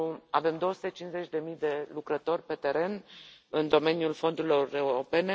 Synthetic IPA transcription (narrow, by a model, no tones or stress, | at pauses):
ave̞md̪o̞wəsut̪e̞t͡ʃinze̞t͡ʃʲd̪e̞mijd̪e̞lukɾət̪o̞rʲpe̞t̪e̞ɾe̞nɨnd̪o̞me̞njulfo̞nd̪uɾilo̞re̞uɾo̞pe̞ne̞